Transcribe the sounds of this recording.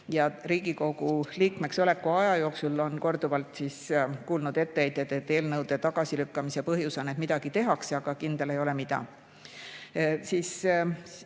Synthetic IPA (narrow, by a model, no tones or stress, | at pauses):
jɑɾiːɡ̥iko̞ɡuliːkme̞kso̞le̞kːˑuɑjɑjo̞ːksulo̞nko̞rd̪̥uvɑlt̪siskuːlnud̪e̞t̪ːeejd̪̥e̞d̪e̞t̪ːˑe̞ːlnɤwd̪̥e̞t̪ɑɡ̥ɑsilykːɑmise̞pɤɦjusonet̪mid̪ɑɡ̥it̪e̞ɦɑksɑɡ̥ɑkind̪̥e̞le̞jo̞le̞mid̪̥ɑ̰ | siːs